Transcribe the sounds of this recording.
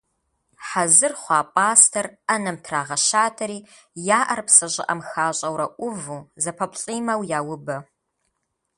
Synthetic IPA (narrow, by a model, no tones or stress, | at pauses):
ħazɨrχʷɑːpʼaːstʰɐrɐnɐmtʰraːʁɐʃaːtʰɐɾiː | jaːʔɐrpsɐʑʼɪ̰ʔɐ̰mxaːɕʼɐwɾɐʔʷʊvuːzɐpʰɐpɬʼiːmɐwjaːwʊbɐ